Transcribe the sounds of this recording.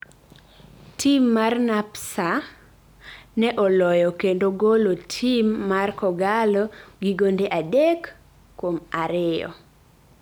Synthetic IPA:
tʰimːarnapsa | nɛʔɔlɔjɔkendoɡolotʰimːarkɔɡalɔɡiɡondeʔadekː | omaɾɪjɔ̰

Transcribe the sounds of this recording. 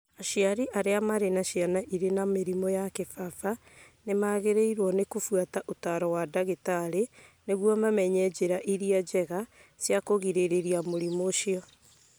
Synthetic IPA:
aʃiaɾiʔaɾeamaɾenaʃianaʔiɾenameɾimɔjakefafa | nemaɣeɾeiɾwɔnekufwataʔotaɾɔwadaɣetaɾeneɣwɔmamɛɲɛd͡ʑeɾaʔiɾiad͡ʑɛɣasjakoɣiɾeɾeɾiamoɾimoʃiɔ

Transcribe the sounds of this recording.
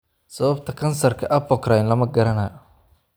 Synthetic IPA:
sɐβɐbt̪ʰɐkʰɐnsɐrkʰɐʔɐpɔkɾajnlɐmɐɡɐɾɐnɐːjɔ

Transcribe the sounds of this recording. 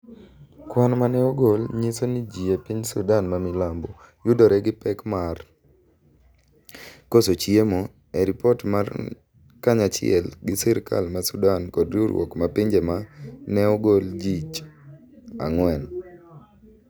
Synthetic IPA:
kwanmanɛɔɡolɲisonid͡ʒiepiɲsṵdanmamɪlambo | jʊdɔɾɛɡɪpɛkmar | kosot͡ʃjemo | ɛɾipɔtmar | kaɲat͡ʃɪɛ̰lɡɪsiɾka̰lmasudankɔdɾoɾwɔ̰kmapiɲd͡ʒemanɛɔɡold͡ʒit͡ʃ | a̰ŋwɛn

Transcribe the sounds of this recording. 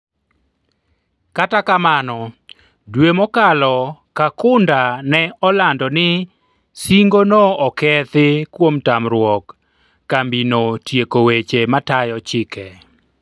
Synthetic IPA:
katakamanɔ | dwemɔkalɔkakʊndanɛɔlandɔnɪ | siŋɡonoɔkɛt̪ɪkwomtamɾwɔkː | ambinotjekowet͡ʃematajɔt͡ʃɪkɛ

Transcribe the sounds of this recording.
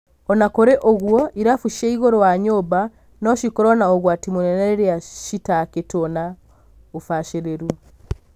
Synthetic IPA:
ɔnakoɾɛʔoɣwɔʔiɾafuʃeiɣoɾɔwaɲoba | nɔʃikoɾɔnaoɣwatimunɛnɛɾeɾeaʃitaketona | ofaʃeɾeɾu

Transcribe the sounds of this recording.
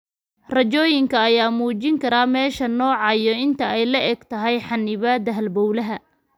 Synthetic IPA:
rɐt͡ʃɔːjɪŋkʰɐːjaːmuːt͡ʃɪŋkʰɐɾaːmɛːʃɐnɔːʕɑjɔɪnt̪ʰɐɛjlɐʔɛɡt̪ʰɐɦɛjħɑnːɪβaːd̪ɐɦɐlbɔwlɐɦɐ

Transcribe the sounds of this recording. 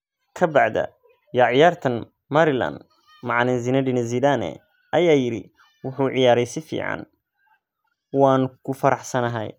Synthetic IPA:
kʰɐbɑʕd̪ɐ̰ | jaːʕɪjaːrt̪ʰɐn | mɐɾɪlɐ̰nd̪ | mɑʕnɪnzinɐɖɪnɛziːlaːnɛ̰ | ʔɐjaːjɪɾi | wʊħʊːʕɪjaːɾɛjsɪfḭːʕɑ̰n | waːnkʰʊfɐɾɑħsɐnɐɦɛ̰j

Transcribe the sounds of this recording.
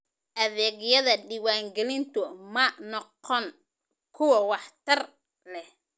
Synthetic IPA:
ʔɐðɛːɡjɐðɐɖɪwaːŋɡɛlɪnt̪ʰʊmɐnɔqɔn | kʰʊwɑwɑħt̪ʰɐr | lɛh

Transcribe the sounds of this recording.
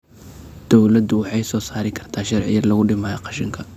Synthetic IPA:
d̪̥ɔwlɐd̪ʊwɑħɑjsɔːsaːɾɪkʰɐrt̪ʰaːʃɐrʕɪ̰jɐrlɐɣʊɖɪmaːɐqɑʃɪŋkʰɐ

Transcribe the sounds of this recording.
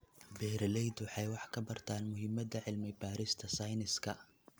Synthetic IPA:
bɛːɾlɛjd̪wɑħɑjwɑħkʰɐbɐrt̪ʰaːnmʊɦɪmɐd̪ɐʕɪlmɪbaːɾɪst̪ʰɐsɐjnɪskʰɐ̰

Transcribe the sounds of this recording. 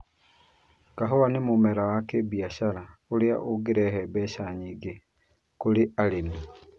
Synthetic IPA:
kaɦɔwanemumɛɾawakebjaʃalaolea̰ʔoɡeɾɛhɛbɛʃaɲiɡe | kolealena

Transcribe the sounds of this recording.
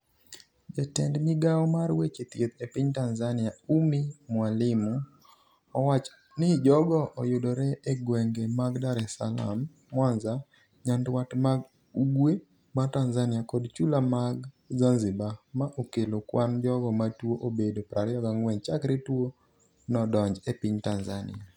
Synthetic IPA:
d͡ʒɛtɛndmɪɡaɔmarwet͡ʃet̪jet̪epɪɲtanzanɪaumimwalɪmu | ɔwat͡ʃ | nɪd͡ʒɔɡɔʔɔjʊdoɾɛeɡwɛŋɡemaɡdaɾɛsala̰mː | wanza | ɲandwatmaɡ | uɡwe | matanzanɪakɔdt͡ʃulamaɡ | zanzɪbamaʔokelokwand͡ʒɔɡɔmatwoʔobedopɾaɾjɔɡaŋwɛɲt͡ʃakɾitwo | nɔdɔɲd͡ʒepiɲtanzanɪ̰a

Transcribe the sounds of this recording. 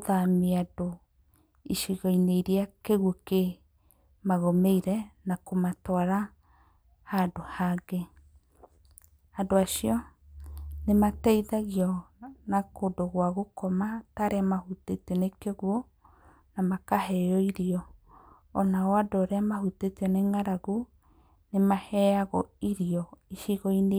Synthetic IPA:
oðameado | iʃiɣɔineiɾiakeɣwoke | maɣomeiɾɛnakomatwaɾa | hadohaɡe | adoaʃiɔ | nematɛiðaɣiɔnakodoɣwaɣokɔmataɾeamahutetenekɔɣwɔ | namakaɦɛjɔiɾiɔː | naɔadoːɾeamahuteteɔneŋaɾaɣo | nemahɛaɣɔiɾiɔiʃiɣɔine

